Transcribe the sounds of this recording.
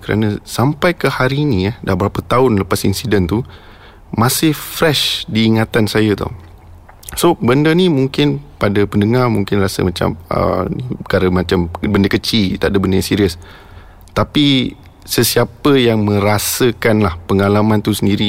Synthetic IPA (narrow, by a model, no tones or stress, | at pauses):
kəɾa̰nə̃sampajkəhaɾinĩadahbəɾapət̪aʊnləpasḭnsidɛnt̪u | mãsɪhfɾɛʃdiːŋat̪ansajət̪ɔ̰ | sobəndənimuŋkɪnpadapəndəŋarmuŋkɪnrasə̰mãt͡ʃa̰mə̰nikaɾəmãt͡ʃambəndəkət͡ʃilt̪aʔdəbəndəãsiɾiəs | t̪api | səsiapəjaŋmə̃ɾasəkanlahpəŋalamãnt̪usəndiɾi